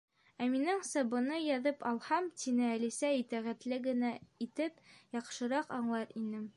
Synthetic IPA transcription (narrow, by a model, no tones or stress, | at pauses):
æminɘŋsɤbɤ̆nɤjɑðɤpɑlˠhɑmt̪inɘælisæit̪æʁæt̪lɘɡɘ̆næit̪ɘpjɑqʃɤ̆ɾɑqɑɴlˠɑɾinɘm